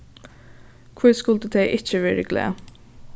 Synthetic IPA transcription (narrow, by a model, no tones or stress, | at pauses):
kʰʊɾskʉlt̪əd̪ʰeɪʔɪçəʋɪɾəɡlḛː